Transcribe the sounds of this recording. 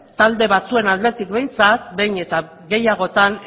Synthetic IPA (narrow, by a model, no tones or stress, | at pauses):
t̪ald̪e̞βat͡sue̞nald̪e̞t̪ikbe̞jnt͡sat̪be̞jɲe̞t̪a | ɡe̞jaɣ̞o̞t̪an